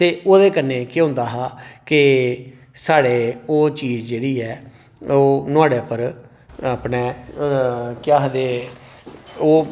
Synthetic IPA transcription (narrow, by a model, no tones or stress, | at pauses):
t̪eːoːd̪eːkənːeːkɪɦʊ̃nd̪aːɦaːkɪ | saːɽeːoːt͡ʃiːzd͡ʒeːɽiːɛː | oːnʊaːɽeːpəɾ | əpneː | kɪjaːɦd̪eː | oː